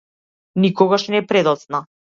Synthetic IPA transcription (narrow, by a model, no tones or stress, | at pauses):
nikɔɡaʃnɛpɾɛd̪ɔt̪sna